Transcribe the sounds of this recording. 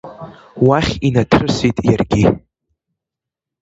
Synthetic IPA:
waχʲinatʰrɨsitʼjarɡʲi

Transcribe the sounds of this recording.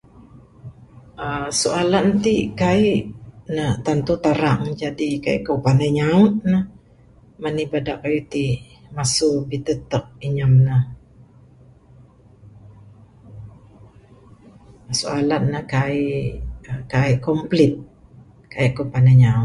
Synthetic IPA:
ʔəsualant̪ikaiʔnəht̪ant̪ut̪aɾaŋd͡ʒadikaḭʔkowpanaɲaʊt̪̚nəh | manibadaʔkajit̪imasubit̪ət̪ək̚iɲəmnəh | sualat̪̚nəhkaiʔəkaiʔkɔmplɪt̪̚ | kaiʔkopanaɲaʊt̪̚

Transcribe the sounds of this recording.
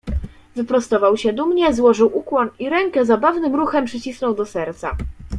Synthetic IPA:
vɘpɾɔst̪ɔvawɕɛd̪umɲɛzwɔʐɘwʔukwɔniɾɛŋkɛzabavnɘmɾuxɛmpʂɘt͡ɕisnɔwd̪ɔsɛɾt̪sa̰

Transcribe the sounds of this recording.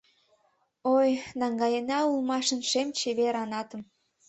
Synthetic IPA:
ojnɑŋɡɑjenɑulmɑʃə̆nʃemt͡ɕeβeɾɑnɑt̪ə̆m

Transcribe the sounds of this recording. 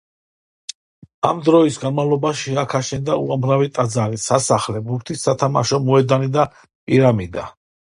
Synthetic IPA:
a̰md̪ɾɔisɡanmavlˠɔbaʃiakʰaʃɛnd̪auamɾavit̪ʼad̪zaɾisasaχlɛbukt̪ʰisːat̪ʰamaʃɔmɔɛd̪anid̪a | pʼiɾamid̪a

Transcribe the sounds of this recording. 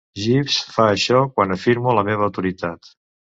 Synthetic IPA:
ʒifsfaəʃɔkwanəfiɾmuləmeβ̞əːwt̪uɾit̪at̪

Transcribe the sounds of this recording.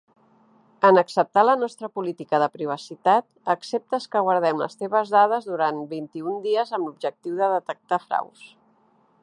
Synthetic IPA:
ənəksəp̚t̪alənɔst̪ɾəpulit̪ikəðəpɾiβ̞əsit̪at̪əksep̚t̪əskəɣwəɾð̞ɛmlə̰st̪eβ̞əzðaðəzðuɾanbint̪iund̪iəzəmblub̚ʒək̚t̪iwðəðət̪ək̚t̪afɾa̰ws

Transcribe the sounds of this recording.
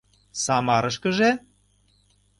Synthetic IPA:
sɑmɑɾəʃkə̆ʒe

